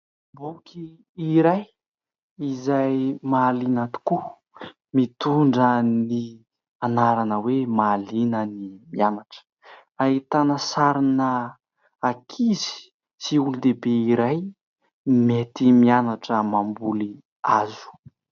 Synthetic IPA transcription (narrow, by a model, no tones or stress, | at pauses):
boki | iɾaj | izajmalinat̪u̥ku | mit̪uɳɖ͡ʐəni | anaɾanəwemalinənimianaʈ͡ʂə̥ | ait̪anəsaɾinə | akʰizi̥ | siulud̪ebeiɾaj | met̪imianaʈ͡ʂəmambuli | azu̥